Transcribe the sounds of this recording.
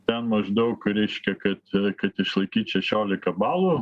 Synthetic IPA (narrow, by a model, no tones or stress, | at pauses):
t̪ʲɛnmɐʒd̪ɐʊkɾʲɛɪʃʲkʲɛkɐt̪kɐt̪ɪʃlˠɐɪkʲiːt̪ʃʲɛʃʲoːlʲɪkɐbɑːlˠuː